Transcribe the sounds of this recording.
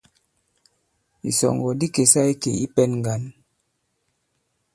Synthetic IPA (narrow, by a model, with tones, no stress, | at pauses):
ḭ˨sɔ̰˨ŋɡɔ˨di˦ke˨sa˦i˦kḛ˨i˦pɛ˦nŋ˨ɡa˨n